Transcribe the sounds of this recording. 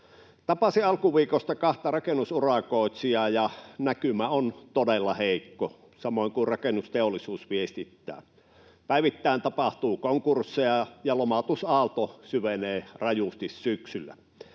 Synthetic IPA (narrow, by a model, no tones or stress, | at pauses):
t̪ɑpɑsiɑlkuʋiːkost̪ɑkɑht̪ɑrɑkenːˑusurɑkoˑit̪siɑjɑnækymæont̪odelːɑheˑikːo | sɑmoˑiŋkurrɑkenːust̪eolːˑisuːsʋiest̪it̪ːæ̰ː | pæˑiʋit̪ːæˑint̪ɑpɑht̪uːkoŋkursːeɑjɑlomɑt̪usɑːlt̪osyʋeneːrɑjust̪issyksylːæ̰